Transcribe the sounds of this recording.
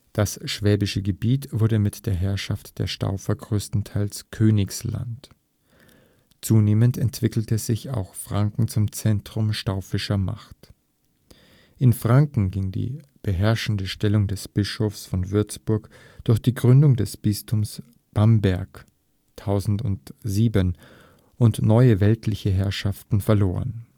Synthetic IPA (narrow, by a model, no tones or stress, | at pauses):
d̥asʃv̥ɛːbɪʃəɡəbiːtv̥ʊɐdəmɪtd̥eːɐɦɛɐʃaftd̥eːɐʃta̰ʊfɐɡʁøːstn̩tʰaɪlskʰøːnɪksla̰nt | t͡suːneːməntɛntv̥ɪkl̩təzɪça̰ʊxfʁ̥aŋkŋ̩t͡sʊmt͡sɛntʁ̥ʊmʃtaʊfɪʃɐma̰χt | ʔɪnfʁ̥aŋkŋ̩ɡɪŋdḭː | b̥əɦɛɐʃn̩dəʃtɛlʊŋdɛsb̥ɪʃofsfɔnvʏɐt͡sb̥ʊɐk | d̥ʊɐxd̥iːɡʁʏndʊŋdɛsb̥ɪstʰʊms | b̥ambɛɐk | tʰaʊzn̩tʊntziːbən | ʔʊntnɔʏəvɛltʰlɪçəɦɛɐʃaftn̩fɛɐloːʁə̰n